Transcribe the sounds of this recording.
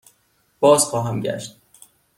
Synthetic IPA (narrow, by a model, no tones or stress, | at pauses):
b̥ɒːz̥xɒːɦæmɟæ̰ʃt̪̚